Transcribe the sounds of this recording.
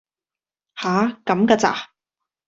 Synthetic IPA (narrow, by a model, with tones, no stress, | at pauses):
haː˨˦kɐ˨˥mka˧t͡sa̰ː˧